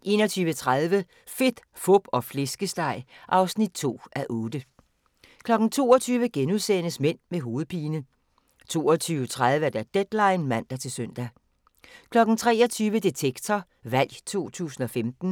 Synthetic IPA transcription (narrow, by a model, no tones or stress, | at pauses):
ʔe̝̰ːnɒt͡sʰyːʋət͡sʰʁaðˠʋə | fe̝d̥ | fɔb̥ɒ̽fle̝sɡ̥əsd̥ɑ̈ɪ̰ʔɑ̈ʊsnid̥̚t͡sʰo̝̰ːʔæʔɔːd̥ə | kʰlɒ̽ɡ̥n̩t͡sʰo̝̰ːɒt͡sʰyːʋəɡ̥enuðˠsenəsmen̰meɦo̝ːð̞̩ˠpʰiːnə | t͡sʰo̝̰ːɒt͡sʰyːʊət͡sʰʁað̞ˠʋəæɐd̥æd̥ed̥lɑ̈ɪnmæn̰d̥æt͡sʰe̝lsøn̰d̥æ | kʰlɒ̽ɡ̥n̩t͡sʰʁɛ̰ːɒt͡sʰyːʋəd̥et͡sʰeɡ̥t͡sʰɒ | ʋæl̰jt͡sʰo̝̰ːt͡sʰṵːsn̩ɒ̽femd̥n̩